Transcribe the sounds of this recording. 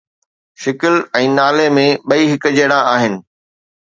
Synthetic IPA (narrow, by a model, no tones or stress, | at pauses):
ʃɪkɪlɛ̃ːnaːlemẽɓɐiːɦɪkd͡ʑeːɽãʔaːɦɪnɪ̆